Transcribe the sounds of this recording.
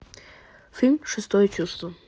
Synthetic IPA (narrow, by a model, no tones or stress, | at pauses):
fʲilʲmʲʂɨst̪ɔjət͡ɕust̪və